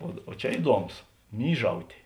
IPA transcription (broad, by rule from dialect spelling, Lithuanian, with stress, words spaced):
oː oː ˈt͡ʃʲɛ ˈɪduɔˌmoːs ˈmʲiːʒɐʊtʲeː